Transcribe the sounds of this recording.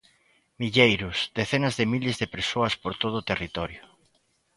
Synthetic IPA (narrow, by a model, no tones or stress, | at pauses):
miʎejɾʊsd̪eθenɐzðemilezðepeɾsoɐspoɾt̪oð̞ʊːt̪erit̪ɔɾjʊ